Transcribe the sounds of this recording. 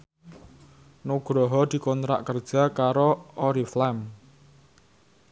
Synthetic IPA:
nuɡ̥ɾɔɦɔd̪̥i̤kɔnt̪ɾa̰ʔkərd̥ʒ̥a̤kaɾoɔɾiflɛm

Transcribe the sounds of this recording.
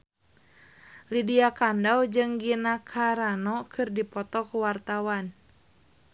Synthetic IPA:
lidiakandawd͡ʒɨŋɡinakʰaɾanɔkʰɨrdipɔt̪ɔkuwart̪awan

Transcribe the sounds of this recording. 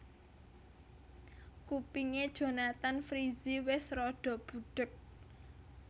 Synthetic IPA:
kupiŋed̥ʒ̥o̤nat̪anfɾiziwɪsrɔɖ̥ɔ̤b̥uɖ̥ʊk̚

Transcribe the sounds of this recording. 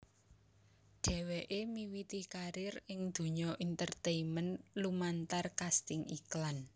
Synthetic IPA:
ɖ̥ɛ̤weʔemiwit̪ikaɾɪrɪŋd̪̥ṳɲɔʔint̪ərt̪eimənlumant̪arkast̪ɪŋiklan

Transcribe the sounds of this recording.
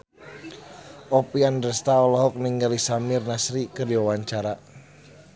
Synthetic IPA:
ʔɔpiandərst̪aɔlɔɦɔk̚niŋɡalisamɪrnasɾikərdiwawaɲt͡ʃaɾa

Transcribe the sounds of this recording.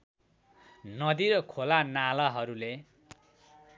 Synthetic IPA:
nʌd̪iɾʌkʰolanalʌɦʌɾule

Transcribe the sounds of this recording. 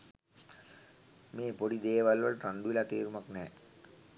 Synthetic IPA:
meːpoɽid̪eːʋɐlʋɐlʈɐɳɖuʋilat̪eːɾumɐknɛː

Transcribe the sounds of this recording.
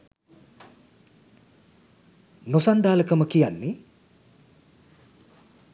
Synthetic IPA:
nosanɖ̪aːləkəməkijanːe

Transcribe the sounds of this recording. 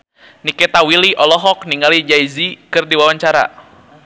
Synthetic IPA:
nikɛt̪awiliʔɔlɔɦɔk̚niŋɡalid͡ʒaizikɨrdiwawaɲt͡ʃaɾa̰

